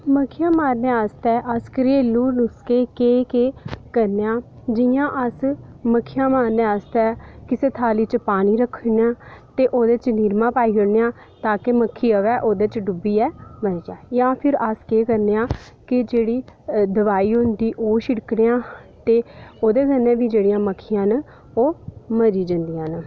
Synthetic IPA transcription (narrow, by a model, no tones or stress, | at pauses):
məkʰːɪjãːmaːɾneːəst̪ɛːʔəskɾeːluːnʊskeːkeːkeːkəɾneːãː | d͡ʒɪjãːʔəsməkʰɪjãːmaːɾneːəst̪ɛːkɪseːt̪ʰaːliːt͡ʃəpaːñiːɾəkʰːnːãːt̪eːʔoːd̪eːt͡ʃniːɾmãːpaːiːɦoːneːãː | t̪aːkeməkʰːiːəʋɛːʔoːd̪eːt͡ʃɖʊbiːɛːməɾd͡ʒaːjãːpʰɪɾaskeːkəɾneãː | kɪd͡ʒeːɽiːd̪əʋaːiːɦʊ̃nd̪iːʔoːʃɪɽkɽeːãːt̪eːoːd̪eːkənɛ̃ːbiːd͡ʒeːɽijãːməkʰːɪjãːn | oːməɾiːd͡ʒə̃nd̪ijãːn